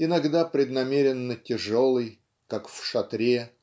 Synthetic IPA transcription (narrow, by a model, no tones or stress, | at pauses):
ɪnɐɡd̪apɾʲɪd̪nɐmʲeɾʲɪnːətʲɪʐo̞lˠɨj | kakfʂɐt̪ɾʲe